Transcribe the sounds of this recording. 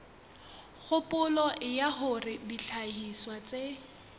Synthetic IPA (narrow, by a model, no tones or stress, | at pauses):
χʊpʼʊlɔʔɪjaχʊrɪdiɬʰahiswat͡sʼe